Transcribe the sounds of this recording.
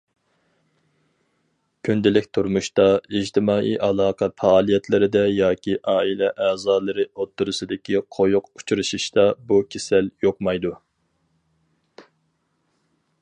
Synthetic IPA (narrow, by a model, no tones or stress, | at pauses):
kʲʰynd̪ɪlɪkʲt̪ʰuɾmuʃt̪ɑid͡ʒt̪ʰɪmɑːʔḭʔɑlˠɑːqʰɑfɑːlˠijɛt̪ʰlɪɾɪd̪ɛjɑːkʲiʔɑːilɛʔɛːzɑːlˠɨɾɨot̪ʰːuɾɨsɨd̪ɪkʲiqʰojuqu̥t͡ʃʰuɾɨʃiʃt̪ɑbukʲʰesɛljoqmɑjd̪u